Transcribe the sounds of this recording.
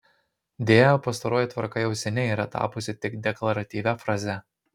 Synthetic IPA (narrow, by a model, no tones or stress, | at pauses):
d̪ʲeːjoːpɐs̬t̪ɐɾoːjɪt̪ʋɐɾkɐjɛʊsʲɛnʲɛiːɾɐt̪ɑ̰ːpʊsʲɪt̪ʲɪkd̪ʲɛklˠɐɾɐt̪ʲiːʋʲɛfɾɑːzʲɛ